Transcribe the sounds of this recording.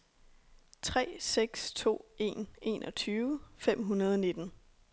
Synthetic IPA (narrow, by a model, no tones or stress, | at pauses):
t͡sʰʁɛ̰ːseɡ̥st͡sʰo̝̰ːe̝̰ːne̝̰nʔɒ̽t͡sʰyːʊəfem̰ɦunɐð̞ˠɒne̝d̥n̩